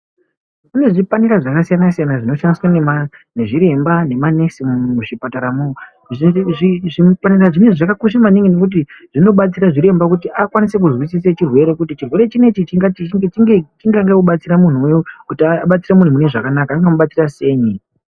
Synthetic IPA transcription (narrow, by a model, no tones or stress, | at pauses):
kune̞ʐipaniɾaʐakasijanasijanaʐino̞ʃandiswanemane̞ʐiɾe̞mbane̞mane̞simmuʃipataɾamoo | ʐʐiʐipaniraʐine̞ʐakakuʃamaniŋɡenekut̬iʐ̥ino̞ɓat͡siɾaʐiɾe̞mbak̬utiʔakwanise̞k̬uzwisiset͡ʃirwe̞ɾe̞kutit͡ʃirwe̞ɾe̞t͡ʃine̞t͡ʃit͡ʃiŋɡaet͡ʃiŋɡet͡ʃiŋɡaŋɡekuɓat͡siɾamun̤uujokutiaɓat͡siramun̤umune̞ʐakanakaːŋɡamuɓat͡sirase̞ːɲi